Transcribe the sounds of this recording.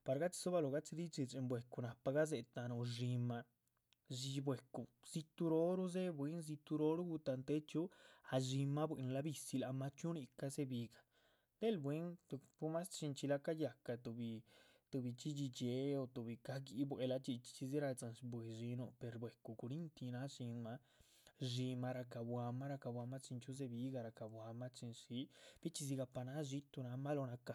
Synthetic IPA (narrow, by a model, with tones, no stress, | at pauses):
pa˧ɾɡa˦t͡si̥˧so˦βa˧lo˨ɡa˦t͡si˧d̪i˦t͡ʃi˧t͡ʃe˧mbwe˨ku˧na˨pa˧ɡa˦z̬e˧t̪a˧nu˧ʐi˧ma˧ | zi˧bwe˨ku˨z̥i˧t̪u˧ɾo˦ɾu˦ze˦bwe˧˦nz̬i˧t̪u˧ɾo˧˦ɾu˦ɡu˧t̪a˧nt̪e˦t͡ʃu˦a˧ʒi˧ma˧bʷwe˨˧n˧la˧bi˧si˧la˧ma˧t͡ʃu˦ni˧ka˧ze˦bi˧ɡḁ˨ | t̪e˦lbwe˦nt̪u˧pu˧˦ma˦st͡ʃi˧nt͡ʃi˧la˧ka˦ja˨ka˧t̪u˧bi˧ | t̪u˧bi˧t͡ʃi˦d͡ʒi˧d͡ʒe˨˧˦o˧t̪u˨bi˨ka˧ɡi˧˦bʷwe˧la˧t͡ʃi˧t͡ʃi̥˧t͡ʃi˧zi˦ɾa˧t͡sa˨˧nsbwe˨˧ʐi˧nu˧pe˨˧ɾbwe˨ku˧ku˧ɾi˦nt̪i˧na˦ʂi˧nma˧ | ʐi˧ma˧ɾa˧ka˧bwa˧ma˦ɾa˧ka˧bwa˧ma˦t͡ʃi˧nt͡ʃu˦z̬e˧bi˧˦ɡa˧ɾa˧ka˨bwa˧ma˦t͡ʃi˧nʂi˧˦b̥i˦t͡ʃi˧z̬i˧ɡa˧pa˧na˧˦ʒi˦t̪u˧na˧ma˦lo˧na˧ka˧˨